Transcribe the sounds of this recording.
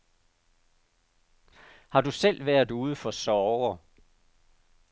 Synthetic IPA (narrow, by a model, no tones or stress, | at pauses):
hɑ̈dusel̰ʋæɐ̰ð̩ˠuːð̞ˠəfɒ̽sɒʊɐ